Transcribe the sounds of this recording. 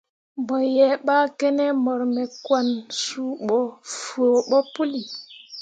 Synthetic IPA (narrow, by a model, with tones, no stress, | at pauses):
bɔ˨jɛ˨ɓa˦kɛ˦nɛ˦mɔ˨ɾmɛ˨kwa˨nsu˦ɓɔ˨fo˨ɓɔ˦pu˦li˨